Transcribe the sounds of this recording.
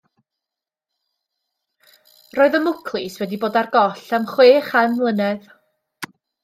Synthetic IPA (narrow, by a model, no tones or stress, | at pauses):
roːɨðəmʊkʰlˠɪswɛdiboːdarɡɔɬamχweːχanlˠənɛð